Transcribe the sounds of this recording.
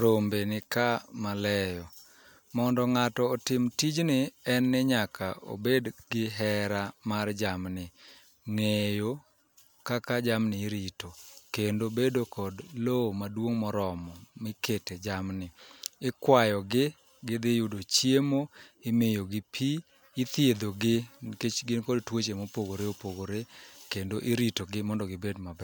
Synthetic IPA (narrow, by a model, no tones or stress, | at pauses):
ɾombenɪkamalɛjɔ | mɔndɔŋatɔːtɪmtid͡ʒnɪɛnːɪɲakʰa̰o̰bedɡɪɦɛɾamard͡ʒamnɪ | ŋejo | kakad͡ʒamnɪɾitokendobedokɔdlomadwoŋmɔɾɔmɔmɪketed͡ʒamnɪɪkwajɔɡɪ | ɡɪd̪ɪjʊdot͡ʃjemoɪmɪjoɡɪpʰi | ɪt̪jed̪oɡɪket͡ʃɡɪnkɔdtwot͡ʃemopoɡoɾeopoɡoɾekendoʔɪɾitoɡɪmɔndɔɡɪbedmabɛ